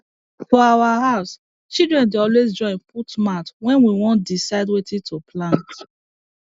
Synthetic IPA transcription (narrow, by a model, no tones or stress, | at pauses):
fɔawahaʊs | t͡ʃildɹɛ̃ndeɔlwezd͡ʒɔ̃ɪ̃nputmatwɛ̃nwiwɔ̃nt̚disaɪdwetʰĩtʰupʰlãnt